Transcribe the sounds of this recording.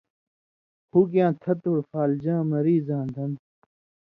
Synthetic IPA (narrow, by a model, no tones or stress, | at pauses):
huːk̬jãːt̪ʰɐt̪oːɾfaːld͡ʑãːmɐɾiːzãːnd̪ʱɐn